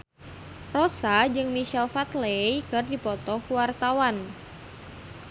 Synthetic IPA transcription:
rɔsad͡ʒɨŋmiʃɛlfat̪lejkɨrdipɔt̪ɔkuwart̪awan

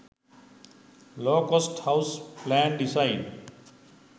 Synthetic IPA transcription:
loːkosʈhaʊsplæ̃ːnɖisaɪn

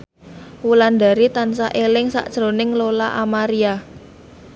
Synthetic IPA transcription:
wuland̪a̤ɾit̪ansaʔelɪŋsa̰ʔd̥ʒ̥ɾonɪŋlolaʔamaɾia

